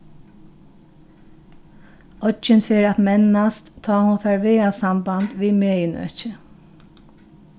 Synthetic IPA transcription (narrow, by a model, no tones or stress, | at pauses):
ɔd͡ʒɪnfɪːɹat̪mɛnnast̪t̪ʰːɑːhʊnfɛːɹʋɪːaʋsamband̪ʋiːmeːjɪnœ̰t͡ʃə